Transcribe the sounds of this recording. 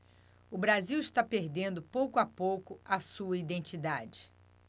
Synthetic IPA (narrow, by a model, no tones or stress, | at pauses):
ʊbɾaziwiʃt̪apeɾd̪ẽnd̪ʊpowkʊapowkʊɐsuɐid̪ẽnt͡ʃid̪ad͡ʒɪ